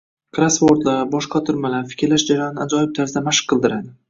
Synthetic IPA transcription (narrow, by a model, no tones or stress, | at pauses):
kʰɾasfoɾt̪laɾbɒʃqɑt̪ʰʊɾmalaɾfɪ̥kʲɾlaʃd͡ʒaɾajɒnɪad͡ʒɒjɪp̚t̪ʰaɾzɪd̪amaʃɨ̥qʰːɨlˠd̪ɪɾad̪ɪ